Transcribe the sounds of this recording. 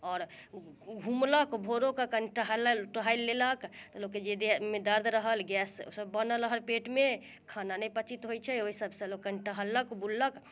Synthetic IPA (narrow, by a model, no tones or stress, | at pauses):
ɔːɾ | ɡʱumləkbʱoɾokakənʈəɦələʈəɦajlːeləkt̪ɔloked͡ʒed̪emed̪əɾd̪ʱɾəɦəlɡɛso̰səbːənələɦəlpeʈme | kʰananəjpət͡ʃit̪ɦojt͡ʃʰɛoisəbsə̃lokːənʈəɦələkbullək